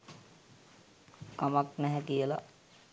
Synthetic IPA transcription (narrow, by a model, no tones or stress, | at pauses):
kamaknɛɦɛkijəla̰